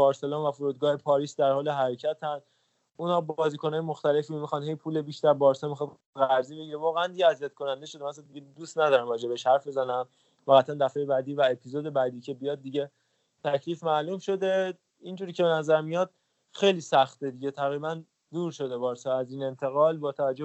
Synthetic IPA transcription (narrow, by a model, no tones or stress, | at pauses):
bɒːɾse̞lɔːnvæfoɾuːd̪̚ɡɒːhe̞pʰɒːɾiːsd̪æɾhɒːle̞ɦæɾecʰæt̪ʰæn | unɒːbɒːziːkʰonɒːjemo̞xt̪æle̞fiːmixɑːnhɦe̞jpʰuːlebiʃt̪æɾbɒːɾsɛmixd̪ | ɣæɾziːbe̞ɟiːɾevɒːɣeænd̪iɟeæzijæt̪̚kʰo̞nænd̪eʃod̪emæsnd̪iɟed̪ust̪næd̪ɒːɾæmɾɒːd͡ʒe̞beʃhæɾfbe̞zænæm | fæːɣæt̪ʰænd̪æfejebæd̪iːvæe̞pʰizoːd̪e̞bæd̪iːcʰe̞bijɒːd̪̚ːiɟe̞ | t̪ʰæcʰliːfmæːlumʃo̞d̪e̞ | ind͡ʒuːɾiːcʰee̞næzæɾmijɒd̪̥ | xe̞jliːsæxt̪ed̪iɟe̞t̪ʰæɣɾiːbæn | d̪uːɾʃo̞d̪e̞bɒːɾsɒæziːne̞nt̪ʰe̞ɣɒːlbɒːt̪ʰævæd͡ʒo